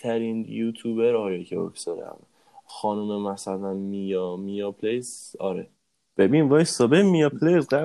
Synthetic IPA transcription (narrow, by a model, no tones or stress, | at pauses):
t̪ʰæɾiːnjut̪ʰuːbeɾɒːjɒjcʰebo̰ksɒɾ̰æ̰m | xɒːnumemæsælænmijɒmijɒpʰlejzɒ̰ɾe | b̥ebinvɒːjsɒːbemijɒpʰlezɢæ